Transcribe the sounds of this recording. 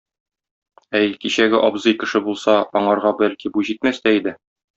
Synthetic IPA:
æjkiɕæɡɘʔɒbzɤjkɘ̆ʃɘbulˠsɑɒɴɑɾʁɑbælkibuʑit̪mæst̪æid̪ɘ

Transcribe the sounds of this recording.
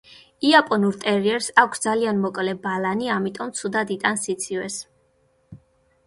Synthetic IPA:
iapʼɔnuɾt̪ʼɛɾiɛɾsakʷʰsd̪zalianmɔkʼlɛbalaniamit̪ʼɔmt̪sʰud̪ad̪it̪ʼansit̪sʰiwɛs

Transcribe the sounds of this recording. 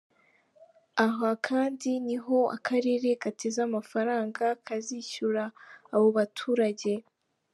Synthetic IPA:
aɦakʰaːndiniɦo̞a̰kʰaɾe̞ːɾe̞katʰe̞zamafaɾaːŋɡakʰaziçuɾaːβo̞βatʰuːɾaɟe̞

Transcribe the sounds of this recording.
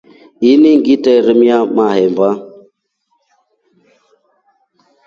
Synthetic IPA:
iniŋɡitɛɾəmjamahɛmba

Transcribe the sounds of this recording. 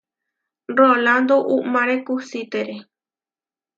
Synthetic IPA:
roland̪oʔumaɾekusit̪eɾe

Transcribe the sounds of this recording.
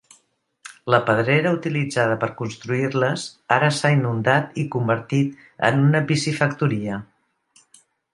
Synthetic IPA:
ləpəð̞ɾɛɾəut̪ilid͡zaðəpəɾkunst̪ɾuirləsaɾəsainund̪at̪ikumbəɾt̪it̪ | ə̰nunəbisifəkt̪uɾiə

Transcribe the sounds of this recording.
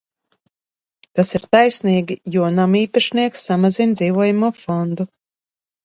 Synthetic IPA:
t̪asiɾt̪ajsniːɡʲijuɔnamiːpaʃniɛksːamazind̪ziːvuɔjamuɔfɔnd̪u

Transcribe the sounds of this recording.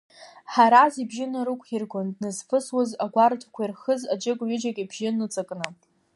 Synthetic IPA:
ħaɾazibʒɪnaɾɨkʷʰʼirɡʷondnɨzfʰɨswazaɡʷartʰakʷʰairχəzad͡ʒʼɪkʷʼɥɪd͡ʒakʲʼibʒɪnɨt͡sʼakʼnɨ

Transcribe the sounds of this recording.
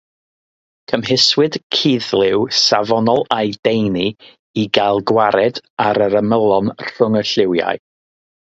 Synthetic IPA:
kʰəmɦɪswɨd̥kʰiðlˠɪwsavɔnɔlˠajd̥ejni | iɡalˠɡwaɾɛdaɾəɾəməlˠɔnr̥ʊŋəɬɪwja̰ɨ

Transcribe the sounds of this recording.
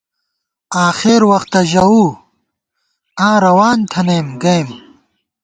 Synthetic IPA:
aːxeɾwɐxt̪ɐʑɐwuː | ãːɾɐwaːnt̪ʰɐnemɡɐjm

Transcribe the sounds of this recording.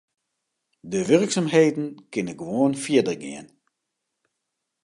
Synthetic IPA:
dəʋʏrksamɦejdn̩kɪnəɡəʋoənfiədərɡɪən

